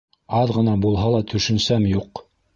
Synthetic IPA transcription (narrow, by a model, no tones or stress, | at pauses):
ɑðʁɤ̆nɑbulˠɦɑlˠɑt̪ʰɵ̆ʃɵ̆nsæmjuq